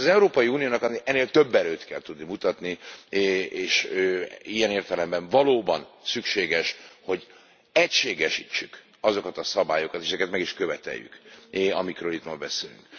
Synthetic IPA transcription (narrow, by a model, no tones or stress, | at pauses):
zɛuɾoːpɒjiuːnijoːnɒknɛnːeːlt̪ø̞bːɛløːt̪kɛlt̪ud̪nimut̪ɒt̪ni | eːʃøijɛneːrt̪ɛlɛmbɛɱvɒloːbɒnsykʃeːɡɛʃho̞ɟ | ɛcʃeːɡɛʃit͡ʃːyk | ɒzo̞kɒt̪ɒsɒbaːjo̞kɒt̪eʃɛzɛkɛt̪mɛɡiʃkø̞vɛt̪ɛ̰jːy̰kɒmikɾøːlit̪mɒlbɛseːly̰ŋk